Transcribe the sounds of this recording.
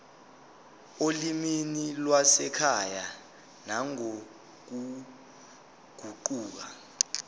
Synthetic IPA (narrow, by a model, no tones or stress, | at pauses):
oliminilwasɛkʰaja | naŋo | k̬u | ɡ̥ʱuǃuːk̬a